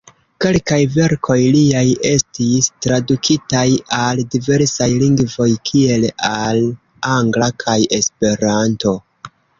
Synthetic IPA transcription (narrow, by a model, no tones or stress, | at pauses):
ke̞lkajve̞ɾkʰo̞jliaje̞stistɾadukʰitajaldive̞ɾsajliŋɡvo̞jkʰie̞lal | aŋɡlakʰajʔe̞spe̞ɾanto̞